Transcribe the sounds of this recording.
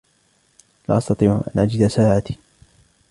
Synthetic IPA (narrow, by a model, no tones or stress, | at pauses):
la̰ːʔɑst̪ɑt̪ˤiːʕʔa̰nʔad͡ʒɪd̪asaːʕat̪i̥